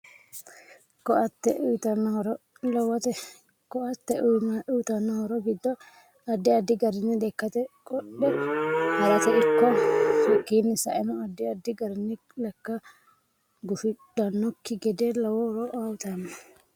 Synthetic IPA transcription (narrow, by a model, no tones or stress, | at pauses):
kɔʔɐt̪ːɛʔʊt̪ɐnːhɾ | lɐwɐt̪ɛ | kɔʔɐt̪ːɛʔnʔʊt̪ɐnːɔhɔɾɔɡɪd̪ːɔ | ɐd̪ːɪɐd̪ːɪɡɐɾɪnːɪd̪ɛkːɐt̪ɛkʼɔɗːɛhɐɾɐt̪ɛɪkːɔfikːiːnːɪsɐʔɛnɔɐd̪ːɪɐd̪ːɪɡɐɾɪnːɪ | lɛkːɐ | ɡʊfɪᶑɐnːɔkːɪɡɛd̪eːlɐwɔhɔɾɔʔawt̪ɐnːɐ